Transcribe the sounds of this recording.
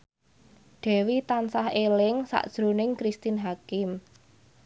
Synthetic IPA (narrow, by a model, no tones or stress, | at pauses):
ɖ̪̥ɛ̤wit̪ansahelɪŋsa̰ʔd̥ʒ̥ɾunɪŋkɾist̪inɦakɪm